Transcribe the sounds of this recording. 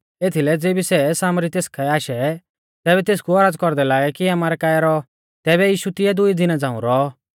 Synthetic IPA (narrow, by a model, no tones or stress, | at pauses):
eːt̪ʰilɛd͡zeːbisɛsaːmɾit̪eːskʰɛaːʃɛ | t̪ɛːbɛt̪eːskuɐɾaːd͡zkɔɾd̪ɛlaːɡɛkiɐmaːɾɛkaːjɾɔ | t̪ɛːbɛjiːʃut̪ɪjɛd̪ʊid̪ɪnãd͡zãːũɾɔ